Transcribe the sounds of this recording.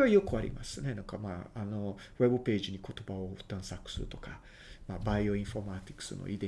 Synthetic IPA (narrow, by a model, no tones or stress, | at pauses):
eajokɯaɾʲḭma̰sɨne̞nãŋkamaːano̞ | we̞bɯ̟pe̞ːʑiɲ̟ikʰo̞t̪o̞baoɯ̟̥t̪ãɰ̃sakɯ̟̥sɨɾɯt̪o̞̥ka | maːbaio̞ĩɰ̃fo̞ɾmat̪ʲi̥kːɯ̥sɨ̰nʔo̰ʔid̪ẽ